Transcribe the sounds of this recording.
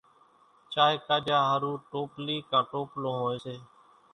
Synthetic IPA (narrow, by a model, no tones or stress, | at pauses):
t͡ʃaːɦeːkaːd͡ʒaːɦəɾũːʈoːpliːkãːʈoːplõːɦoːeːseː